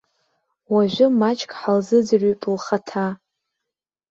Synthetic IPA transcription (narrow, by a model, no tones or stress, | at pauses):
waʒᶣʷʊmat͡ʃʼkʼħalzɨd͡zrypʼlχatʰa